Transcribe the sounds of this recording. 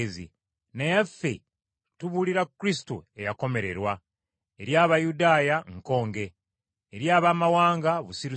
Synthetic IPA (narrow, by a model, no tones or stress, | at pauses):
zḭ | nejafːe | tuβuliɾakːuɾistuejako̞me̞ɾe̞̰ɾwa | eɾjaːβajudaːjaŋko̞ːŋɡe̞ː | ɾjaːβaːmawaːŋɡaβusiɾi